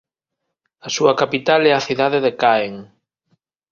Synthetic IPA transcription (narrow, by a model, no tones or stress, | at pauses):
asuɐkapit̪alɛaθiðaðeðekaeŋ